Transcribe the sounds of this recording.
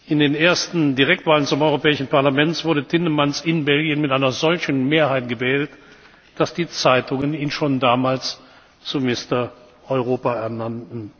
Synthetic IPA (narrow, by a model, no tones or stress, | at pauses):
ʔɪndeːneːɐstn̩diʁɛk̚tv̥aːlənt͡sʊmɔʏʁopɛːɪʃn̩paɐlamɛntsv̥ʊɐɾətʰɪnəmansɪnbɛlɡjənmɪtʔaɪnɐzɔlçn̩meːɐɦaɪtɡ̥əvɛːlt | d̥asd̥iːt͡saɪtʊŋəniːnʃoːndaːmaːls | t͡sumɪstɐ | ʔɔʏʁoːpaɛɐnantn̩